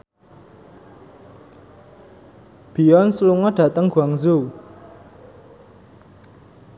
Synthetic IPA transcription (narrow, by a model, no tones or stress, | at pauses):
b̥i̤jɔnsluŋɔɖ̥ä̤t̪əŋɡ̥uaŋzu